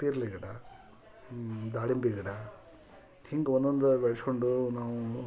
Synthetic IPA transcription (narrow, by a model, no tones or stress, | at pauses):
piːɾliɡɐɽa | d̪aːɽimbiɡɐɽa | t̪ʰiŋɡɔnd̪ond̪ubeɭskoɳɖunaːʋu